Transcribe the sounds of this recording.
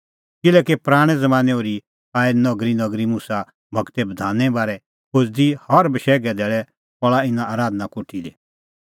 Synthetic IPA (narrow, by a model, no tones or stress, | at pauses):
kɪlɛːkepɾaːɽ̃ɛzɐmãːnɛoːɾi | aːenɐɡɾinɐɡɾimusa | bʱɐkt̪ɛbɐd̪ʱaːnɛbaːɾɛ | kod͡zd̪ihɐɾbɐʃɛːɡɛd̪ɛːɭɛ | pɔɭaɪnãaːɾaːd̪nakoːʈʰile